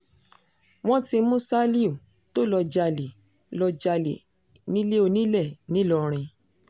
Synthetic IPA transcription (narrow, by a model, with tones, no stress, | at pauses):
w̃ɔ̃˦ti˧mũ˦sa˦li˦u˨ | to˦lɔ˧d͡ʒa˧le˨ | lɔ˧d͡ʒa˧lḛ˨ | nĩ˦le˦o˧nĩ˦lɛ˦˨nĩ˦lɔ˧ɾ̃ĩ˧